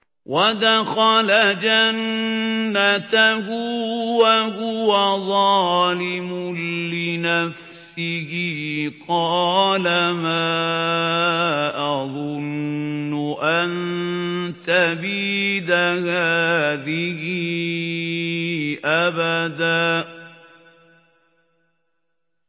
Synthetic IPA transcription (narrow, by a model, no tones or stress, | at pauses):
wʔad̪axalad͡ʒanː | at̪aɦʊwaɦʊwaðˤɑːlɪmʊlɪnaf | sɪhɪqɑːlamaː | ʔɑðˤʊnːʊʔan | t̪abiːd̪ahaːðɪhɪ | ʔabad̪aː